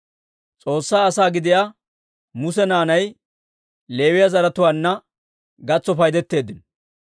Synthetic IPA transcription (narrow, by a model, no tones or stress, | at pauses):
t͡sʼo̞ːsːaːsaːɡɪd̪ɪja | mʊsɛnaːnɐj | le̞ːwɪjɐzɐɾɐt̪ʊwaːnːɐ | ɡɐt͡sːɔfɐjd̪ɛt̪ːe̞ːd̪ːɪn